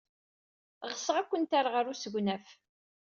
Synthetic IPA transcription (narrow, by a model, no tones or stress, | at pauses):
ʁəsʁækʷːənt̪aɾʁəɾusəʝʷnæf